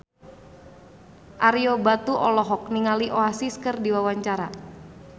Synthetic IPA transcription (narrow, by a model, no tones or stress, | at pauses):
ʔaɾiobat̪uʔɔlɔɦɔk̚niŋaliʔoasiskərdiwawaɲt͡ʃaɾa